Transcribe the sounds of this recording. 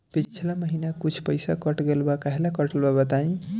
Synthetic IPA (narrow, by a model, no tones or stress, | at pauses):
pit͡ʃʰilaməɦinakut͡ʃʰpəjsakʌʈɡelbakaɦelakʌʈelbabat̪aĩ